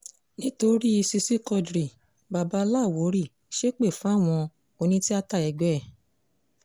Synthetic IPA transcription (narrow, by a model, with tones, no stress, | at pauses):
nĩ˦to˧ɾi˦i˧si˧si˦kɔ˧dɾi˨ | ba˨ba˨˧˦la˦˨wo˨˦ɾi˦˨ | ʃe˦k͡pe˦˨fũ˨˦˨w̃ɔ̃˧ | o˧nĩ˦ti˦a˦ta˦˨ɛ˧˨ɡ͡bɛ˦ɛ˦˨